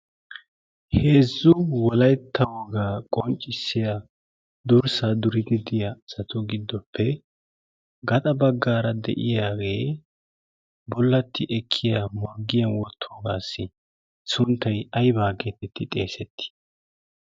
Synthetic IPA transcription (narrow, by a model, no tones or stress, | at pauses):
he̞ːzːʊwɔlɐjt̪ʰːɐwɔɡaːkʼɔnt͡ʃʼːɪsːɪja | d̪ʊɾsad̪ʊɾɪd̪ɪd̪ɪjasɐt̪ʊɡɪd̪ːɔpʰːɛ | ɡɐt̪ʼɐbɐɡːaːɾɐd̪ɛ̰ʔɪjaːɡe̞ː | bɔlːɐt̪ʰːɪʔɛkʰːɪjamɔɾɡɪjɐnwɔt̪ʰːoːɡaːsːɪ | sʊnt̪ːɐjɐjbaːɡeːt̪ɛt̪ːɪt̪ʼe̞ːsɛt̪ʰːɪ̥